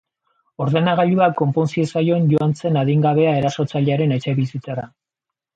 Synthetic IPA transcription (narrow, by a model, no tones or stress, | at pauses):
o̞ɾðe̞naɣaʎuakːo̞mpo̞nsie̞sajo̞eɲɟo̞ant͡se̞naðiŋɡaβ̞e̞ae̞ɾaso̞t͡saʎeaɾe̞ne̞t͡ʃe̞βisit͡saɾa